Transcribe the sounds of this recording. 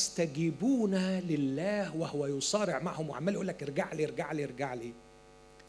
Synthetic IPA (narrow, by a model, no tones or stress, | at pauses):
st̪æɡibuːnælɪlːæːhwɪhʊwæjʊsˤɑːɾɪʕma̰ʕhʊmwɪʕa̰mːæljʔulːækɾˤɡaʕliɾˤɡaʕliɾˤɡaʕliː